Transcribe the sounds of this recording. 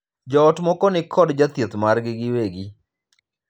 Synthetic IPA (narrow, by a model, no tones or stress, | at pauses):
d͡ʒɔːtmɔkɔnɪkʰɔdd͡ʒat̪jet̪marɡɪɡɪweɡi